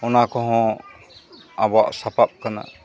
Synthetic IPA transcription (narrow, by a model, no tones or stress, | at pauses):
ɔnakɔɦɔ̃ | abɔa̰ʔsapap̚kana̰